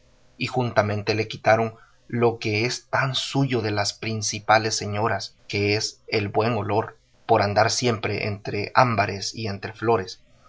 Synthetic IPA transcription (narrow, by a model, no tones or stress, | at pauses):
ixunt̪amẽ̞nt̪e̞le̞kit̪aɾo̞n | lo̞ke̞est̪ansuʝo̞ðe̞laspɾinsipale̞sːe̞ɲo̞ɾaske̞eselbwe̞ŋo̞lo̞ɾ | po̞ɾand̪aɾsje̞mpɾe̞ʔḛnt̪ɾe̞ʔambaɾe̞sie̞nt̪ɾe̞flo̞ɾe̞s